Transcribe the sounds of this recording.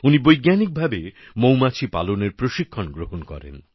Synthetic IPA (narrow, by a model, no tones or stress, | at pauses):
unibojɡanik̚bʱabe | mowmat͡ɕʰipa̰loneɾpɾoʃikʰːonɡɾoɦonkɔ̰ɾḛn